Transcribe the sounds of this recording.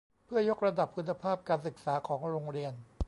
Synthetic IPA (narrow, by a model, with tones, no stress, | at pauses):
pʰɯ˥˩ɐjo˦˥k̚ɾa˧da˨˩pʰːu˨˧˦nːa˧pʰaː˥˩p̚kaː˧nsɯ˨˩k̚saː˩˦kʰɔː˩˦ŋɾoː˧ŋɾi˧ən